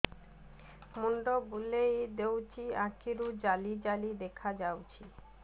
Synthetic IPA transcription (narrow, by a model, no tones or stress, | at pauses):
moɳɖobulejd̪ewt͡ɕiakiɾud͡ʑalid͡ʑalid̪ekʰad͡ʑawt͡ɕʰi